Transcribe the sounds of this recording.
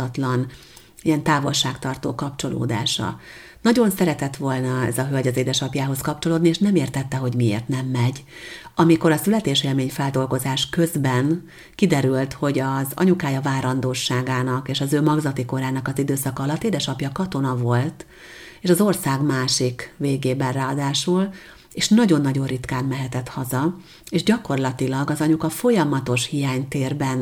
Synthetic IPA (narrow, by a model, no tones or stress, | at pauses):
ɒt̪lɒn | ijɛnt̪aːvo̞lʃaːkt̪ɒrt̪oːkɒpt͡ʃo̞lo̰ːd̪a̰ːʃɒ̰ | nɒɟo̞nsɛɾɛt̪ɛt̪ʋo̞lnɒɛ̰zɒɦø̞lɟɒzeːd̪ɛʃɒpjaːɦo̞skɒpt͡ʃo̞loːd̪nieːʃnɛmeːrt̪ɛt̪ːɛɦo̞ɟmiḛːrt̪nɛmːɛɟ | ɒmiko̞ɾɒsylɛt̪eːʃeːlmeːɲfɛld̪o̞lɡo̞zaːʃkø̞zbɛn | kid̪ɛɾylt̪ho̞ɟɒzɒ̰ɲukaːjɒvaːɾɒnd̪oːʃaːɡaːnɒkeːʃɒzøːmɒɡzɒt̪iko̞ɾaːnɒkɒzid̪øːsɒkɒɒlɒt̪ːeːd̪ɛʃɒpjɒkɒt̪o̞nɒvo̞lt̪ | eːʃɒzo̞rsaːɡmaːʃikveːɡeːbɛnraːɒd̪aːʃul | eːʃnɒɟo̞nːɒɟo̞rit̪kaːnmɛɦɛt̪ɛt̪hɒzɒ | eːʒɟɒko̞rlɒt̪ilɒɡɒzɒɲukɒfo̞jɒmɒt̪o̞ʃhijaːɲt̪eːrbɛn